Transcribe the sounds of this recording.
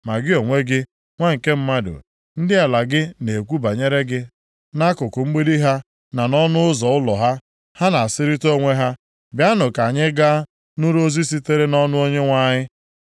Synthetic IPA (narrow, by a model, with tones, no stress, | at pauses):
ma˨ɡɪ˦o˨ŋʷe˦ɡɪ˦ | ŋʷa˦ŋ̩˨ke˦m̩˦ma˦dʊ̰˨ | n̩˦dɪ˦a˨la˨ɡɪ˦ne˨kʷu˦ba˨ɲe˦ɾe˦ɡɪ˦ | na˦kʊ˨kʊ˨ŋ͡m̩˦ɡ͡be˦di˦ɦa˦ | na˨nɔ˦nʊ˦ʊ˦zɔ˨ʊ˦lɔ˨ɦa˦ | ha˦na˨a˨sɪ˦ɾi˦to˦ŋʷe˦ɦa˦ | bja˦nʊ˨ka˨ɲɪ˦ɡa˦ | nʊ˦ɾo˦zi˦s̬i˦te˦ɾe˦nɔ˦nʊ˦o˦ɲe˦ŋʷa˦ɲɪ˦